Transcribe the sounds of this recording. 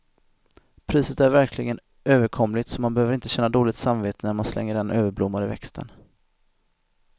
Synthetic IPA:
pʰɾiːsət̪æɾvæɾkʰlɪɡən | ʔøːvəɾkʰɔmlɪɡt̪sɔmanbɛhøːvəɾɪnt̪əɕɛnːad̪oːlɪɡt̪samveːt̪ʰənæɾmanslɛ̰ŋːəɖɛnʔøːvəɾblʊmːaɾɪvɛ̰kst̪ʰə̰n

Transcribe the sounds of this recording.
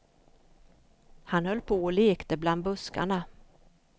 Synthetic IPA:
hanhœlːpʰoɔleːkt̪əbland̪̚bɵska̰ɳa

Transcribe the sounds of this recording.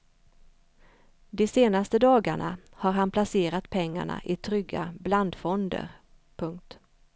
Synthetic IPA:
d̪ɛseːnast̪əd̪ɑːɡaɳa | haɾɦanpʰlaseːɾat̪pʰɛŋːa̰ɳa̰ʔɪt̪ʰɾʏɡːa̰bland̪fɔnd̪ə̰ɾ | pʰɵŋk̚t̪

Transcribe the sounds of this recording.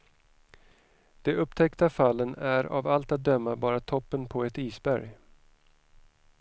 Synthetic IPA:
d̪̥ɛɵpːt̪ʰɛkt̪afalːənæɾa̰valt̪at̪̚d̪œmːabɑːɾat̪ʰɔpːənpʰɔɛt̪iːsbæɾj

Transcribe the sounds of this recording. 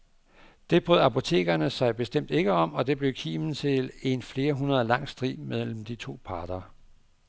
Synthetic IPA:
d̥e̝b̥ʁøð̰ˠɑ̈pʰo̝t͡sʰe̝̰ːɡ̥ɐnəsɑ̈ɪb̥e̝sd̥em̰d̥e̝ɡ̥əɒ̽m̰ɒ̽d̥e̝b̥le̝ʊkʰḭːmn̩t͡sʰe̝le̝nfle̝ːɐɦunɐð̞ˠlɑ̈ŋ̰sd̥ʁḭːmeðˠl̰m̩d̥it͡sʰo̝̰ːpʰɑ̈ːd̥ɐ

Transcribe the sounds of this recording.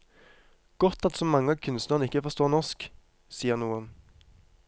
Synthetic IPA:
ɡ̥ɔt̪ɑlt̪sɔmɑŋːəɑkʰʉnst̪nəʁnɪkːəfɔʁst̪oːʁnɔʁsk | siːəʁnuːən

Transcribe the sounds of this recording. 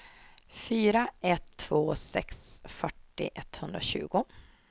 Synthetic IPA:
fyːɾaʔɛt̪ʰːvoːsɛ̰ksfœʈːɪ̰ʔɛt̪hɵnd̪ɾaɕʉ̟̰ːɡʊ

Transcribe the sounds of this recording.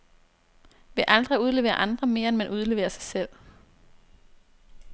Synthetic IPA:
ʋe̝ʔɑld̥ʁiuð̞ˠle̝ʋḛːɐ̰ʔɑ̈nd̥ʁɐme̝ːɐenmenʔuð̞ˠle̝ːʋḛːɐsɑ̈ɪsel̰

